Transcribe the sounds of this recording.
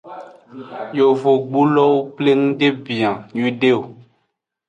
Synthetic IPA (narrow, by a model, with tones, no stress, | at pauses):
jo˨vo˨ɡ͡bu˦lɔ˦wo˦k͡ple˦ŋũ˦ɖe˦bi˨ã˨ɲi˦ɖe˦o˨